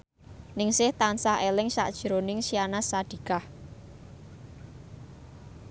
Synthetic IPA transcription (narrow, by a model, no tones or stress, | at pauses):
nɪŋsɪht̪ansaɦelɪŋsa̰ʔd̥ʒ̥ɾonɪŋsianasad̥i̤kah